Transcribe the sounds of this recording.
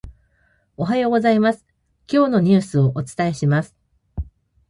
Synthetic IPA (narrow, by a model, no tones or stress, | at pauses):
o̞ɦajo̞ɡo̞zaimasɨ̥ | kʲo̞ːno̞ɲ̟ɨːsɨo̞ʔot͡sɨ̥t̪ae̞ɕimasɨ̥